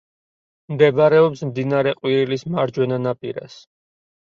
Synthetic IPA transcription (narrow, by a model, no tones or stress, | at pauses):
md̪ɛbɾɛɔpsmd̪inaɾɛqʼwiɾilismaɾd͡ʒwɛnanapʼḭɾa̰s